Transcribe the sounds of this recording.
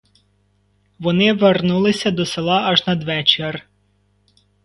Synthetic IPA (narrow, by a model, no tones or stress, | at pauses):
ʋɔnɪʋernulˠɪsʲɐd̪ɔselˠɑɐʒnɐd̪ʋɛt͡ʃer